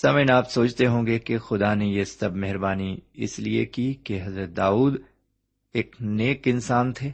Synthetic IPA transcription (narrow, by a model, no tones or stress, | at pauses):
sɐmənaːpsoːt͡ʃt̪eɦõːɡekexʊd̪anejesɐbʱmɛɦɪɾbaːniɪ̰sliḛkikeɦɐzɾət̪̚d̪aːuːd̪ | eːkneːkɪnsaːnt̪ʰeː